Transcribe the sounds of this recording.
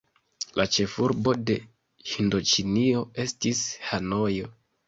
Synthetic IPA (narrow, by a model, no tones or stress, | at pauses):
lat͡ʃe̞fuɾbo̞de̞ | hindo̞t͡ʃinio̞e̞stishano̞jo̞